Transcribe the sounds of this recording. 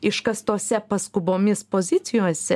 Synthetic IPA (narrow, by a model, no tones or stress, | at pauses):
ɪʃkɐst̪oːsʲɛpɐskʊboːmʲɪspoːzʲɪt̪sʲɪjoːsʲɛ